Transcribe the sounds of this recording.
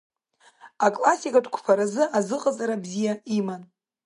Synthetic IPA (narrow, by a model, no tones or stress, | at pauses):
akʼlasʲikʼatʰkʷʰpʰaɾazɨazɨqʼazaɾabzijaiman